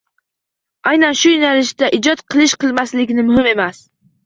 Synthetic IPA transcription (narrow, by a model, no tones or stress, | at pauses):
ajnanʃʊjɪnalɪʃd̪aʔɪd͡ʒɒt̪qʰɨlˠɪʃqɨlˠmaslɪkʲnɪmʊhɪme̞mas